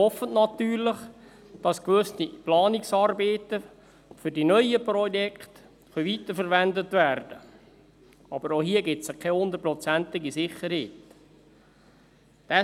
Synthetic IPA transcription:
ɔfətnɑtyːɾlɪχ | d̥ɑskʋɵstiplɑːnɪksɑːɾbeːt̪ə | fʏɾdinœʏəprɔjɛkχt | χœvit̪əɾfəɾʋændətvæːrd̥ə | ɑbəɾohiəɡɪtsəkʰɛhʊnd̪əɾ̚prɔt͡sænt̪ɪɡisɪχəɾheːt | d̥ɛ

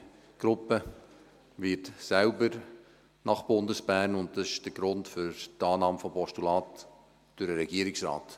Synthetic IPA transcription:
ɡ̥ɾʊpːə | ʋɪtsælbəɾ | nɑχb̥ʊndəsb̥æːɾnʊnt̚d̥ɑsɪ̥ʃd̥əɡ̥ɾʊntfʏɾtɑːnɑːmfɔmpɔʃtulɑːt | d̥ʊɾəɾɛɡ̥iəɾɪksɾɑ̰ːt

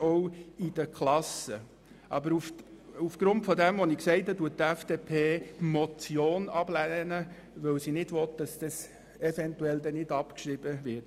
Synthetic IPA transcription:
ɔwid̥əkχlɑsə | ʔɑbəɾufufɡ̥ɾʊntfɔdɛmʋɔnɪksɛɪthɑduət̚tæfd̥eːpʰeːmɔt͡sjoːnɑblɛnə | ʋœwsinɪd̥ʋɔt̪̚d̥ɑsd̥ɑs | ɛfɛntuɛld̪ɛnɪdɑpkʃɾib̥əvɪt

